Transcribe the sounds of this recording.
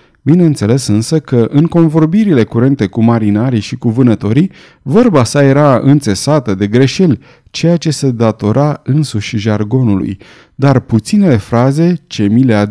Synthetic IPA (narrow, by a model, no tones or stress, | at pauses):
bine̞ɨnt̪se̞le̞sɨnsəkəʔɨŋko̞nvo̞rbiɾile̞kuɾe̞nt̪e̞kumaɾinaɾiʃikuvɨnət̪o̞ɾi | vərbasaje̞ɾaɨ̰nt̪se̞sat̪əd̪e̞ɡɾe̞ʃe̞lʲ | t͡ʃe̞jat͡ʃe̞se̞d̪at̪o̞ɾʔaɨnsuʃʲʒarɡo̞nulṵj | d̪arput̪sine̞le̞fɾaze̞t͡ʃe̞milea